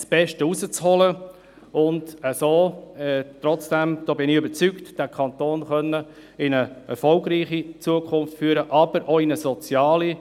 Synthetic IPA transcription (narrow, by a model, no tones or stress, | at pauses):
sb̥ɛʃtəusət͡shɔlə | ʊndəsoːɛt̪ɾɔt͡sd̥ɛmd̪̥ɔːbɪnɪʏbət͡syktd̥ækʰɑntoːnχœnːə | ɪnəɛɾfɔlɡɾiːχit͡suəkʰʊnftfyːəɾəʔɑb̥əɾʔoɪnəsɔt͡sjɑːli